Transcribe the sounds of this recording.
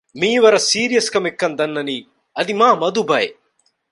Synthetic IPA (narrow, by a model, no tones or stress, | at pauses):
miːʋɐɾɐsiːɾijɐskɐmekːɐnd̪ɐnːɐni | ɐd̪imaːmɐd̪ubɐe